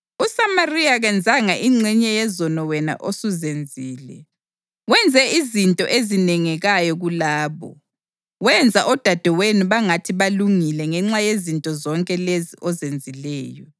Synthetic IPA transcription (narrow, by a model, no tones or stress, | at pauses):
usamarijaɣɛnd͡zʱaŋaʔiŋ͡ǀiɲɛjɛzɔnɔwɛna̰ʔosuzend͡zʱiːlɛ̰ | wɛnd͡zʱɛizintʼɔ̰ʔezinɛŋɛɣajɔɣulaːβɔ̰ | wɛnd͡zʱaʔɔd̥ʱad̥ʱɛwenuβaŋatʰiβaluŋilɛŋɛŋ͡ǁajezintʼɔzɔŋkʼɛleziʔɔzend͡zʱilɛːjɔ